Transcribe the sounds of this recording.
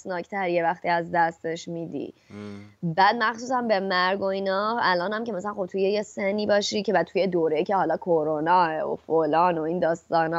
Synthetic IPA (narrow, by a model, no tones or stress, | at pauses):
snɒːct̪ʰæɾjevæxt̪iːæzd̪æst̪e̞ʃmiːd̪ḭ | bæːd̪̚mæxsuːsæmbe̞mæɾɡo̞iːnɒælɒːnhæmce̞mæsælænxob̚t̪ʰujejesenːiːbɒːʃicʰe̞væt̪ʰuje̞d̪oːɾejicʰe̞hɒlɒːkʰoɾonɒːeo̰folɒːno̞ind̪ɒːst̪ɒːnɒ